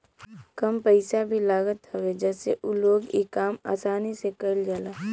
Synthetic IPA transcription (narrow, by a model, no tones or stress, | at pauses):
kəmpəɪsabʱilaːɡət̪ɦəwed͡ʒɛːseʔuloːɡikaːma̰ːsaːnisekəld͡ʒaːlaː